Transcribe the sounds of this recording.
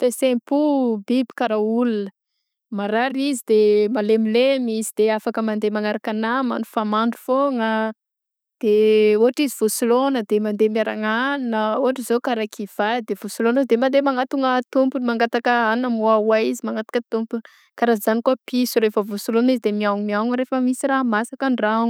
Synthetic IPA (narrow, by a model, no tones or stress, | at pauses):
fesempubibi̥kaɾaulunə | maɾaɾizid̪emalemilemizid̪̥eafakəmand̪emaŋaɾakanama̰nufamaɳɖ͡ʐu̥foŋə | d̪̥euɦaʈ͡ʂiziv̥usulonəd̪emand̪emiaɾaŋannəuɦaʈ͡ʂizokaɾakʰiv̥ad̪evusulonizd̪emand̪emaŋat̪uŋət̪umpunimaŋɡat̪akəanamuawaizimaŋɡat̪ḁkət̪umpun | kaɾazanikapisuɾefəvusulonizid̪emiawŋmiawŋɾefəmisiraɦmasakaɳɖ͡ʐaŋ